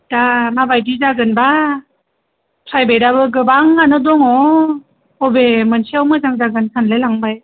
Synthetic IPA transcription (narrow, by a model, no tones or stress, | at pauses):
d̥amabajdizaɡɯnba | pʰɾajbejdabɯɡɯbaŋanɯdɔŋɔ | ɔbemɯnsʰiawmɯzaŋzaɡɯnsʰanlelaŋbaj